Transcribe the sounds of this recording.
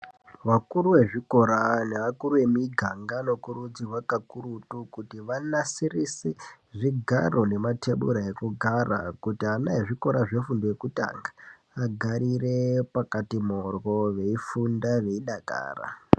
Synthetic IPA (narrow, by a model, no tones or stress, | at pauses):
ʋakuɾuwe̞ʐiko̞ɾaneʋakuɾue̞miɡʱaŋɡano̞kuɾud͡zirwakakuɾutukutiʋanasirise | ʐiɡʱa̰ro̞ne̞matʰe̞ɓṵɾaekuɡʱara̰kutianajeʐiko̞ɾaʐefundojekuta̰ŋɡaː | ɡʱaɾire̞pakatimorwo̞ʋe̞ifundaʋe̞iɗaka̰ːra̰